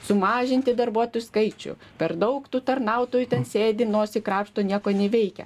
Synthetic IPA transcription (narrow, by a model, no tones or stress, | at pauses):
sʊmɑːʒʲɪnʲt̪ʲɪd̪ɐrbuɔt̪oːjʊskɐɪt͡ʃʲʊ̰ | pʲɛɾd̪ɐʊkt̪uːt̪ɐɾnɐʊt̪oːjut̪ʲɛnsʲeːd̪ʲɪnoːsʲɪkɾɑːpʃt̪oːnʲiɛkoːnʲɛʋʲɛɪkʲɛ̰